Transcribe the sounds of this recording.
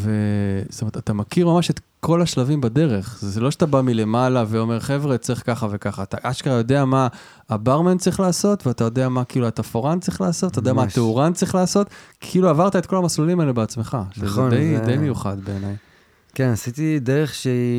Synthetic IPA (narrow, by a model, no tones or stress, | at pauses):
vestomet̪at̪amakiʁmamaʃet̪ | kʰo̞laʃlavimbad̪e̞ʁe̞χzeelo̞ʃeat̪abamile̞malaveo̞me̞ʁχe̞vʁet͡sʁiχkaχave̞kaχaːt̪aʔaʃkatajo̞d̪eamaː | baʁment͡sʁiχlaːso̞t̪veatajo̞d̪eamakiːluat̪afoʁant͡sʁiχlaːsot̪t̪aodeamatteuʁant͡sʁiχlaːso̞t̪kʰiluavaʁt̪ae̞t̪ko̞lamaslulimalebeat͡sme̞χaʃed̪ejd̪ejmejuχad̪be̞ːnaj | kenasit̪ideʁeχʃe